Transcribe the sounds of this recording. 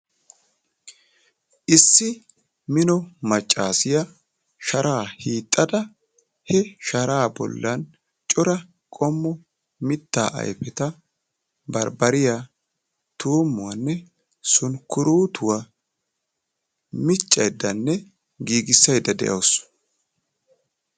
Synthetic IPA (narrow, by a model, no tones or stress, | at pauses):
ʔɪsːɪ | mɪnɔmɐt͡ʃʼːaːsɪjɐ | ʃɐɾʔaːhiːt̪ʼːɐd̪ɐ | hɛʃɐɾaːbɔ̰lːɐn | t͡ʃʼɔɾɐ | kʼɔmːɔ | mɪt̪ːa̰ːʔɐ̰jpɛt̪ɐ | bɐɾbɐɾɪja | t̪uːmːʊwɐnːɛ | sʊnkʊɾuːt̪ʰʊwa | mɪt͡ʃʼːɐjd̪ɐnːɛ | ɡiːɡɪsːɐjd̪ɐd̪ɛ̰ʔɐws